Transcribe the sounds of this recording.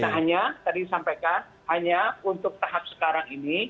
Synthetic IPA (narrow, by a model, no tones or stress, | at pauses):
t̪aɦaɲat̪adisampajkan | haɲaunt̪ʊk̚t̪aɦap̚sə̥kaɾaŋini